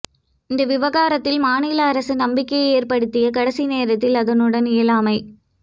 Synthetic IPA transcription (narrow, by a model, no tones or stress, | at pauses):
ɪnd̪ɐʋɪʋɐɣaːɾɐt̪ːɪlmaːnɪlɐːɾɐsɯnɐmbɪkːɐɪeːrpɐɽɯt̪ːɪjɐkɐɽɐsineːɾɐt̪ːɪlɐðɐnɯɽɐnɪjɐlaːmɐɪ